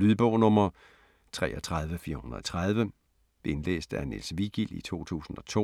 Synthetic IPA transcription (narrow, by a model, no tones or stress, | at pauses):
lyðˠb̥ɔʊnɔ̽mɐ | t͡sʰʁɛ̰ːʔɒt͡sʰʁɑ̈ð̞ˠʋəfiːɐhunɐɒt͡sʰʁɑð̞ˠʋə | d̥e̝nlḛːsd̥ænḛlsʋiɡ̥il̰ḭt͡sʰo̝̰ːt͡sʰṵːsn̩ɒ̽t͡sʰo̝̰